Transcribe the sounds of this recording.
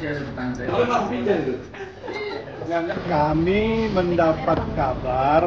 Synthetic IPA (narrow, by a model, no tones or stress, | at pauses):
aia | ŋankamiməndapat̪̚kabar